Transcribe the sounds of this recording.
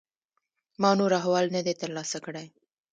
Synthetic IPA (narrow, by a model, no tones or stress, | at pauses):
mɑnoɾaɦawɑlnad̪et̪əɾlɑsakəɽaj